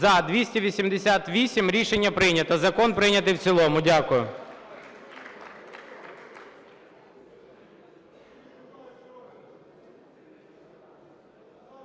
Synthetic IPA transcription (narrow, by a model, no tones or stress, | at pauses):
ɐd̪ʋʲisʲtʲiʋʲisʲimd̪esʲat̪ʋʲisʲimɾʲiʃenʲːɐpɾɪjnʲɐt̪ɐzɐkɔnpɾɪnʲɐt̪ɪwt͡s̪ʲilˠɔmʊdʲakʊjʊ